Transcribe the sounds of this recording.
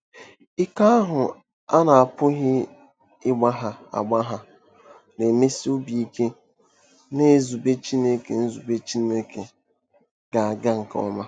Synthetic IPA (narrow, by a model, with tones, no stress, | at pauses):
ɪ˦ka˦a˦ɦʊ˨ | a˦na˨a˨pʊ˦ɦɪ˦ | ɪ˦ɡ͡ba˦ɦa˨a̰˨ɡ͡ba˦ɦa˨ | ne˨me˦si˦o˦bi˨i˦ke˦ | ne˦˨zu˨be˦t͡ʃi˦ne˦ke˨n̩˦zu˨be˦t͡ʃi˦ne˦ke˨ | ɡ̥a˨a˨ɡa˦ŋ̩˨kɔ̰˦ma˦